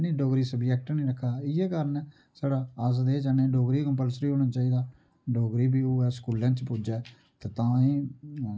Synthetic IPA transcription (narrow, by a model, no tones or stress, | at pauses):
nĩːɖoːɡɾiːsəbd͡ʒɛːk̚ʈnĩːɾəkʰːaːɪeːkəɾənɛ | saːɽaːəsd̪eːd͡ʒaːnẽːɖoːɡɾiːkəmpəlsɾiːɦoːɽ̃aːt͡ʃaːiːd̪aː | ɖoːɡɾiːbiːoːɛːskuːlãːt͡ʃpuːd͡ʒeː | t̪eːt̪ãːĩː